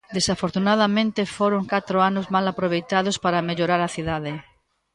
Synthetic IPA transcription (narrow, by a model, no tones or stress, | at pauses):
d̪esafoɾt̪unað̞amẽnt̪efoɾoŋkat̪ɾoanozmalapɾoβ̞ejt̪að̞ospaɾameʎoɾaɾaθiðaðe